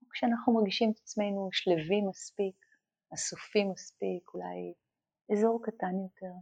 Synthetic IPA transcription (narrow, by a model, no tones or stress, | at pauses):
kʃeanaχnumaʁɡiʃimet̪at͡sme̞jnuʃlevimaspik | asufimaspikula̰j | ezo̞ʁkatanjote̞ʁ